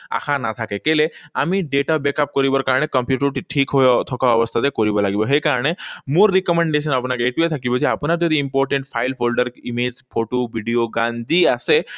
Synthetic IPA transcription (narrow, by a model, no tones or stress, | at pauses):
a̰kʰanat̪ʰakekeleamiɖeʈabekap̚kɔɾibɔɾkaɾɽ̃ekəmpjuʈəɾʈiʈʰikɦojɔt̪ʰɔkaɔʋɔst̪ʰat̪ekɔɾibɔlaɡibɔɦekaɾɽ̃emoɾːikɔmẽɳɖes̬ənapnakeʈuet̪ʰakibɔd͡ʒʰiapnaɾd͡ʒɔd̪ʱiimpɔɾʈẽɳʈpʰajlpʰolɖəɾimed͡ʒpʰoʈobiɖioɡãnd̪iase